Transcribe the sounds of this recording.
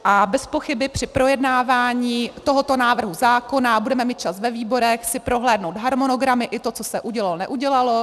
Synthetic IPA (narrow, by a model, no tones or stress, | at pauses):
ʔabɛspo̞xɪbɪpr̥ɪpɾo̞jɛdnaːvaːɲiːt̪o̞ɦot̪o̞naːvr̩ɦuzaːko̞nabudɛmɛmiːt̪̚t͡ʃasvɛviːbo̞ɾɛxsɪpɾoɦlɛːdno̞wt̪ɦaɾmono̞ɡɾamɪʔɪt̪o̞t͡sosɛʔuɟɛlalnɛ̰ʔuɟɛlalo̞